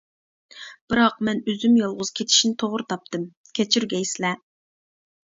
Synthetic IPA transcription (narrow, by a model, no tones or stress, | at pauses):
b̥ɨɾɑq̚mɛnøzymjɑlˠʁʊz̥kʲʰet̪ʰi̥ʃinɪt̪ʰoʁɾɨt̪ʰɑp̚t̪ɨm | kʲʰɛt͡ʃʰyɾɡʲɛjsɪlɛ